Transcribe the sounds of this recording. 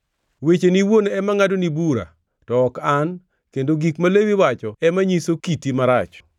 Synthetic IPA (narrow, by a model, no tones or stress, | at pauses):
wet͡ʃeniwonɛmaŋadonibuɾa̰ | tɔːkan | kendoɡikmalewiwat͡ʃɔɛmaɲisokitimaɾat͡ʃ